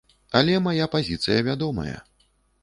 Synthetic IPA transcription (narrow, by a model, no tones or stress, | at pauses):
alʲɛmajapazʲit̪sɨjɐvʲad̪ɔmɐ̰jɐ̰